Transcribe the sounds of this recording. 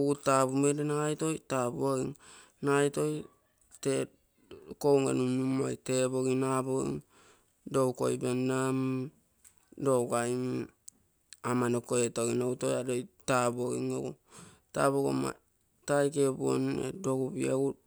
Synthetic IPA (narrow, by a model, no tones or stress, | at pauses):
ɡutabumedenajto̞jtabuaɡiŋ | najto̞j | te | kowŋḛnumnuma̰jteboɡinaboḭŋ | do̞wko̞̰jbendam | dowkajm | amanokoetoɡinowto̞jadojtabuoɡḭŋo̰ɡṵ | ta̰boɡo̰ma̰ | tajkebuo̰nḛdo̞ɡubiau